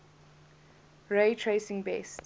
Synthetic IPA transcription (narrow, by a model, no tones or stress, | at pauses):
ɹeɪtʰɹesɪ̃ŋbɛst